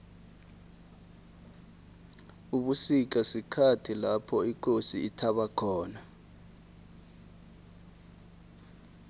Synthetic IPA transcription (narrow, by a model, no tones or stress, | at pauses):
uɓusik̬asikʰatʰilapʰɔik̬ʼosiːtʰaɓakʰɔːna